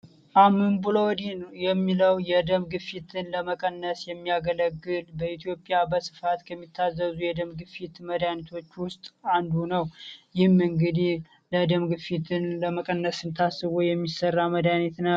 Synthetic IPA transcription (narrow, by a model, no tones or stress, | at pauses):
ʔamɨnbulowɔd̪injɛmːiləwjɛd̪əmɡɨfit̪ʰɨnləməkʼənːəsjɛmːiaɡələɡːɨlbəit̪ʰijo̞pʼːjabəsɨ̥fat̪kʰəmːit̪ʰːazːəzujɛd̪əmɡɨfit̪məd̪anit̪ʰo̞t͡ʃːwʊst̪ʼand̪unəwjɪhmɨŋɡɨd̪ih | ləd̪əmɡɨfit̪ʰɨnləməkʼənːəsɨnt̪ʰasːɨβujɛmːisːərːaməd̪anit̪nə